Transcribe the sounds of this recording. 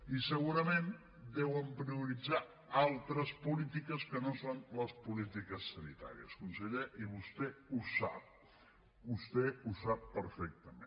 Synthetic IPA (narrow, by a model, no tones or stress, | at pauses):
isəɣuɾəmẽn | d̪ɛwəmpɾiuɾid͡za | alˠt̪ɾəspulit̪ikəskənosonləspulit̪ikəsːənit̪a̰ɾiə̰skunsəʎeʔiβust̪ɛusap̚ | bust̪ɛusapːəɾfɛk̚t̪əmẽn